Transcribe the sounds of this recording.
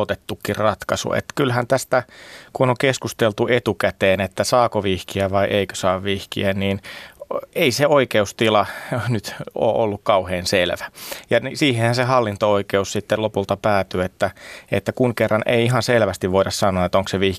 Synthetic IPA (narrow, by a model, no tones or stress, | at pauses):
ot̪et̪ːukːirrɑt̪kɑsṵḛt̪ːkylhænt̪æst̪ækunoŋkeskust̪elt̪uʔet̪ukæt̪eːnet̪ːæsɑːkoʋihkiæʋɑiʔeikø̥sɑːʋʋihkḭænniːn | eiseoikeust̪ilɑnyt̪o̰ːʔolːukkɑuheːnselʋæjɑnsiːhẽhænsehɑlːint̪ooikeussit̪ːelopult̪ɑpæːt̪yet̪ːæḛt̪ːækuŋkerːɑnʔḛiiɦɑnselʋæst̪iʋʋoiɾɑssɑnˑoɑet̪oŋkseʋi